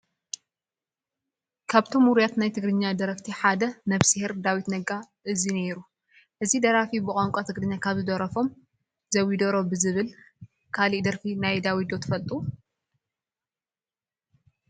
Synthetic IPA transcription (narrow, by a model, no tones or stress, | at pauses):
kʰaβt̪ʰomhuɾijat̪najt̪ʰɨɡɾɨɲːad̪ɐɾɐkt̪ʰiħad̪ɐnɐβsihiɾd̪awit̪nɐɡa | ʔɨzineɾu | ʔɨzid̪ɐɾafibɨkʼoŋkʷʼot̪ʰɨɡɾɨɲːakʰaβzɨd̪ɐɾɐfo̞m | zɐwid̪oɾo̞bɨzɨβɨl | kʰaliʔd̪ɐɾfinajd̪awid̪o̞t̪ʰɨfɐlt̪ʼu